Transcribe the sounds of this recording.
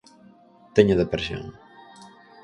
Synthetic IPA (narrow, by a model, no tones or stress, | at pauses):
t̪eɲaðepɾesjo̰ŋ